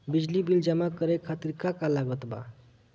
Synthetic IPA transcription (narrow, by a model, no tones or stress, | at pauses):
bid͡zlibild͡ʒamakəɾekʰat̪iɾkakalaɡɔt̪ba̰